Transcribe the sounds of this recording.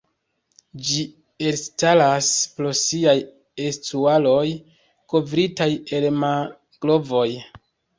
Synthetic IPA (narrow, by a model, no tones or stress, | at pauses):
d͡ʒi | e̞lstalaspɾosiaj | estualo̞j | ko̞vɾitaje̞lma | ɡ̥lo̞vo̞j